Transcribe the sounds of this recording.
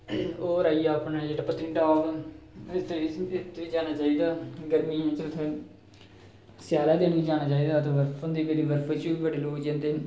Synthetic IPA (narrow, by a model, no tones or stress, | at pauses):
oːɾaːiːaːpnad͡ʒeːɽaːpət̪ĩːʈaːʋɪt̪ːet̪ːeːd͡ʒaːnaːt͡ʃaːiːd̪aːɡəɾmiːɦɛ̃ːt͡ʃɪʊt̪ʰːẽː | sjaːlaːd̪eːnʋiːd͡ʒaːñaːt͡ʃaːiːd̪aːt̪oːʋəɾfʰʊnd̪iːbəɾiːʋəɾfit͡ʃuːiːbəɖeːloːkd͡ʒɪ̃nt̪eː